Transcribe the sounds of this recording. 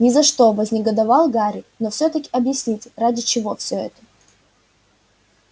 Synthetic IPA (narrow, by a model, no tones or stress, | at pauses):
nʲɪzɐʂt̪o̞vəzʲnʲɪɡəd̪ɐvɑlˠɡaɾʲɪnofsʲɵt̪əkʲɪ̥ɐbjɪsʲnʲitʲradʲɪt͡ɕɪvo̞fsʲɵɛ̰t̪ə̥